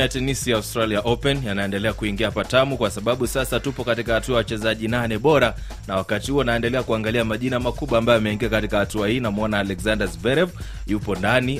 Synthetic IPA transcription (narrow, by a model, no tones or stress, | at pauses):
jatɛnisiaustɾaliaʔɔpɛnjanaɛndɛlɛakuiŋɡiahapatamukwasaɓaɓusasatupɔkatikahatuajawat͡ʃɛzaʄinanɛɓɔɾa | nawakatihuɔnaɛndɛlɛakuaŋɡaliamaʄinamakuɓwaːmbajɔjamɛiŋɡiakatikahatuahiːnamuɔnaːlɛkzandazvɛɾɛv | jupɔndani